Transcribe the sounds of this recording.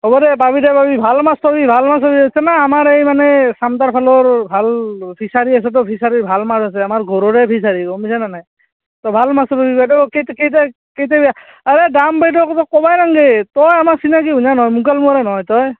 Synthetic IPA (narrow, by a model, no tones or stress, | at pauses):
ɦɔbɔdɛbabidɛbabibʱalmastɔbibʱalmas̬ɔbiisɛnaamaɹejmanɛsamtaɹpʰalɔɹbʱalpʰisaɹias̬ɛt̬ɔpʰisaɹibʱalmazas̬ɛamaɹɡʱɔɹɔɾɛpʰis̬aɹikɔmisananaj | tɔbʱalmastɔbabibajtɔketkejtɛ | kejtɛba | aɹedambejtɔktɔkɔbajnaŋɡetɔjamasinakiuɲanɔɦɔjmukalmuaɾɛnɔɦɔjtɔj